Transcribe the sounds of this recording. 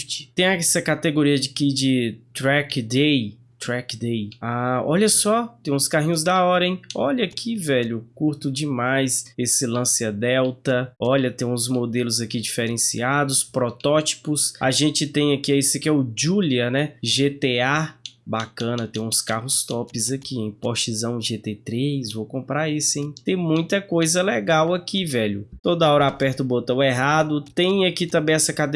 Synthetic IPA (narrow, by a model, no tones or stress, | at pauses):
t͡ʃɪt̪ẽj̃ɐsɐkat̪eɡoɾiɐd͡ʒɪkid͡ʒɪt̪ɾɛkd̪e | t̪ɾɛkd̪ejaɔ̰ʎɐsɔt̪ẽj̃ʊ̃skaɦĩɲʊzd̪ɐɔd̪ẽj̃ɔʎɐkʰivɛʎʊkuɾt̪ʊd͡ʒɪmajsesɪlɐ̃sɪad̪ɛwt̪ɐɔʎɐt̪ẽj̃ũzmod̪elʊzakid͡ʒifeɾẽsḭad̪ʊspɾɔt̪ɔt͡ʃi̥pʊsa̰ʒẽnt͡ʃɪt̪ẽj̃akiɛisɪkɛʊd͡ʒuliɐnɛʒet̪eabakɐ̃nɐt̪ẽj̃ũskaɦʊst̪ɔpɪzɐkiẽj̃pot͡ʃizɐ̃w̃ʒet̪et̪ɾejzvowkõmpɾaɾisʊẽj̃t̪ẽj̃mũj̃t̪ɐkojzɐlɛɡawakivɛʎʊt̪od̪ɐɔɾɐapɛɾt̪ɐʊbot̪ɐ̃w̃ɛɦad̪ʊt̪ẽj̃akit̪ɐ̃mbẽj̃ɛsɐkad̪